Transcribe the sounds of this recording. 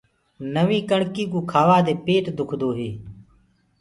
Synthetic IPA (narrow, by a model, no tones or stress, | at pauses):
nəʋĩːkəɳkiːkuːkʰaːʋaːd̪eːpeːʈd̪ʊkʰd̪oːɦeː